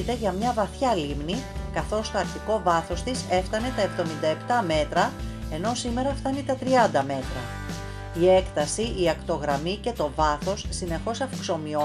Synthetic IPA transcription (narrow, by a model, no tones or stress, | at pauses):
t̪e̞ʝɐmɲɐvɐθçɐlimnikɐθo̞st̪o̞ɐɾçiko̞vɐθo̞st̪ise̞ft̪ɐne̞t̪ɐe̞vðo̞mind̪ɐe̞pt̪ɐme̞t̪ɾɐe̞no̞sime̞ɾɐft̪ɐnit̪ɐt̪ɾiɐnd̪ɐme̞t̪ɾɐ | ie̞kt̪ɐsiʔːɐkt̪o̞ɣɾɐmice̞t̪o̞vɐθo̞sːine̞xo̞sɐfkso̞mio